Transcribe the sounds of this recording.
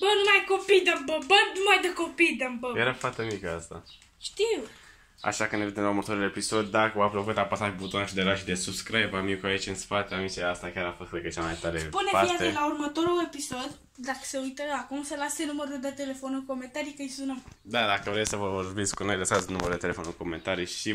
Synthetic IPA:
bənumajko̞pijd̪əmbəbənumajd̪əkopid̪əmbəjeɾafaɾt̪emikəast̪a̰ | ʃt̪iw | a̰ʃakɨnevet̪emlauɾmət̪oɾule̞piso̞d̪ʲd̪akəapɾokut̪apasaʒbut̪onaʃid̪elaʃid̪esubskɾajbamikuait͡ʃʲɨnspat̪eamit͡ʃiast̪akʲaɾafost̪ekət͡ʃamajt̪aɾespuneviazelaurmət̪o̞ɾule̞piso̞d̪ | d̪akə̥se̞ujt̪əakumsəlasenuməɾuld̪et̪e̞le̞fonulko̞me̞nt̪aɾijkəjsunəmd̪ad̪akəvɾesʲsəvəvo̞rbit̪sʲkuno̞jləsat̪snuməɾud̪et̪eefonulko̞mẽ̞nt̪aɾijʃi

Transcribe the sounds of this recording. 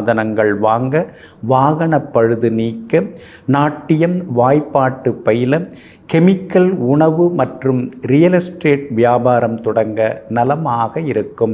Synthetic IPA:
ðɐnɐŋɡɐɭʋaːŋɡɐ | ʋaːɣɐɳɐpːɐɻɯðɯniːkːɐ | naːʈːɪjɐmʋaːjpːaːʈːɯpːɐjɪlɐm | kɛmɪkːɐlʊɳɐʋɯmɐʈrɯmɾɪjɐlɐsʈreːʈ̚ʋɪjaːbaːɾɐmt̪ɔɽɐŋɡɐnɐlɐmaːɣɐɪɾɯkːɯm

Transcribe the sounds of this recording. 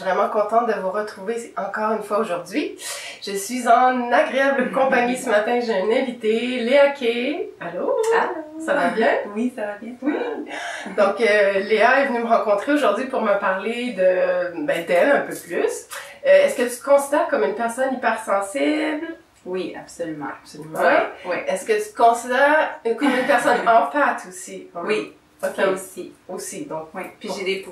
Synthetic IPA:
vʁɛmɑ̃kɔ̃t̪ɑ̃t̪̚d̪əvuʁət̪χuveɑ̃kɔːʁynfwaoʒuʁd̪ɥiʒ̥əsɥizɑ̃naɡʁeabləkɔ̃paɲisəmat̪ɛ̃ʒeɛnɛ̃vit̪eleakʲʰealoalosavabjɛ̃wisavabjɛ̃wi | d̪ɔ̃køleaɛvənyməʁɑ̃kɔ̃t̪χeoʒuʁd̪ɥipuʁməpaʁled̪əbɛ̃d̪ɛlɛ̃pøplysøɛskət̪y̥t̪əkɔ̃sid̪ɛʁkɔmynpɛʁsɔnipɛʁsɑ̃sibl | wia̰psolymɑ̰̃apsolymɑ̃wɛɛskət̪y̥t̪kɔ̃sid̪ɛʁkɔmynpɛʁsɔnɑ̃fat̪ʰosiwi | okʲeosiosid̪ɔ̃kwɛiʒed̪epu

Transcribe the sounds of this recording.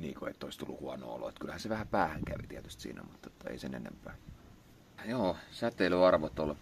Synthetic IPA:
niːkoḛt̪ːolist̪ulːuhuɑno̰ːo̰lo̰et̪kylhænseʋæhæpæːhæŋkæʋit̪iæt̪y̥st̪sḭːnæ̰mut̪ːot̪ːɑḛˑisenḛnḛmpæː | joːsæt̪eiløɑrʋot̪ol

